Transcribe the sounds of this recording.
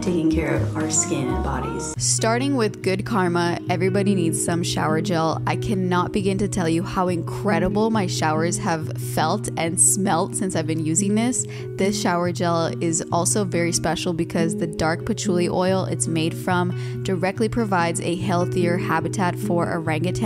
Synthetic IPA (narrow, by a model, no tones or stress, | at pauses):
tʰeɪkɪ̃ŋkʰɛɹʌ̰və˞skɪ̃nɨ̃nbɑ̰ɾḭz̥stɑɹɾɪ̃ŋwɪðɡʊd̚kʰɑɹməɛvɹibɑɾinidz̥sʌ̃mʃa̰ʊə˞d͡ʒɛlˠa̰ɪkʰɨnət̚b̥ɨɡɪ̃ntɨtʰɛlˠjɨhaʊɨ̃nkʰɹ̥ɛɾəbl̩ˠmaɪʃaʊə˞z̥əv̥ | fɛlˠtɨ̃nsmɛlˠtsɪ̃nsaɪvbɨ̃njʉzɪ̃ŋðɪs | ðɪsʃaʊə˞d͡ʒɛlˠɪzɔlˠsoʊvɛɹispɛʃl̩ˠbɨkʰʌzðɨdɑɹk̚pʰɨtʰɹ̥ulˠiʔɔɪl̩ˠɪ̰tsmeɪd̥fɹʌ̃m | d̥ə˞ɛk̚tˡlipʰɹ̥ɨvaɪdzɨɦɛlˠθiə˞hæbɨtʰætfə˞ʔɨ̰ɹæ̃ŋɡɨtʰ